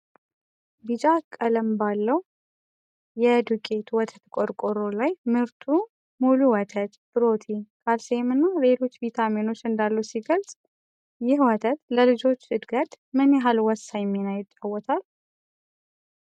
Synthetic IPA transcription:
bɨd͡ʒakʼːələmbalːəw | jɛd̪ukʼe̞t̪ʰwɔt̪ʰət̪kʼoɾkʼoɾolajmɨɾt̪ʰu | muluwɔt̪ʰət̪ʼb̥ɨɾo̞t̪ʰikʼalsemɨnːale̞lo̞t͡ʃːvit̪ʰamino̞t͡ʃːɨnd̪alːusiɡəlsʼ | jɪhwɔt̪ʰət̪ləlɨd͡ʒo̞t͡ʃːɨd̪ɡət̪ʼ | mɨnɛɦalwɔsːajɛmːinajɪt͡ʃ̪ʼːawːɔt̪ʰal

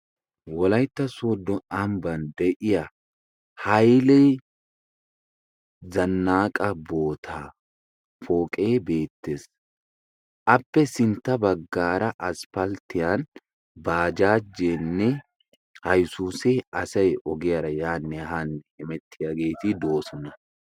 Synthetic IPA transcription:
wɔlɐjt̪ːɐsod̪ːɔɐmbɐnd̪ɛʔɪjɐ | hɐjlɛj | zɐnːaːkʼɐbo̞ːt̪ʰaː | foːkʼe̞ːbe̞ːt̪ːes | ʔɐpːɛsɪnt̪ːɐbɐɡːaːɾɐʔɐspɐlt̪ːɪjan | baːd͡ʒaːd͡ʒːeːnːɛ | hɐjsuːsɛɐsɐjʔɔɡɪjaɾɐjaːnːɛɦaːnːɛɪmɛt̪ʰːɪjaɡe̞ːt̪ɪd̪o̞ːsɔnɐ

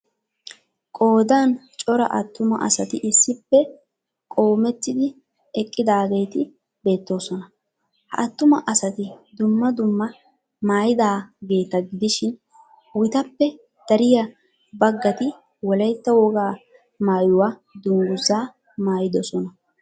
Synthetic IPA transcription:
kʼo̞ːd̪aːnt͡ʃʼɔɾɐ̰ʔɐ̰t̪ːʊmɐ̰ʔɐ̰sɐt̪ɪʔɪsːɪpːɛ | kʼo̞ːmɛt̪ːɪd̪ɪ | ɛkʼːɪd̪aːɡejt̪ɪ | be̞ːt̪ːo̞ːsɔnɐ | hɐ̰ʔɐt̪ːʊmɐʔɐsɐt̪ɪd̪ʊmːɐd̪ʊmːɐ | maːjɪd̪aːɡe̞ːt̪ɐɡɪd̪ɪʃɪn | wɪt̪ɐpːɛ | d̪̥ɐɾɪjɐ | bɐɡːɐt̪ɪ | wɔlɐjt̪ːɐwɔɡaː | maːjʊwad̪ʊŋɡʊzaː | maːjɪd̪ɔsɔnɐ

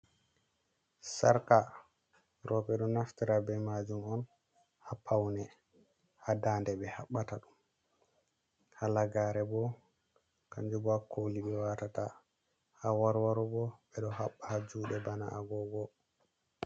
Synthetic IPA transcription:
saɾka | ɾɔɓɛɗɔnaftiɾabɛmad͡ʒumɔn | hapʰːawnɛ | hadaːndɛbɛhaɓːataɗum | halaɡaɾɛbɔ | kaɲd͡ʒubɔhakʰoliɓɛwatata | hawaɾwaɾubɔɓɛɗɔhaɓːahad͡ʒuːɗɛbanaʔaɡɔɡɔ

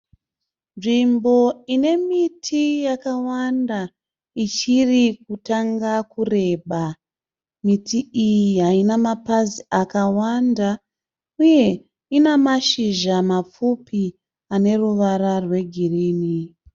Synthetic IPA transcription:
nʐimbo̞ine̞mitʰijakawanda | it͡ʃirikutaŋɡakure̞ɓa | mitiijiɦainamapaziakawanda | uje̞ | inamaʃiʒamap͡fupʰi | ane̞ruʋararwe̞ɡʱiriːni

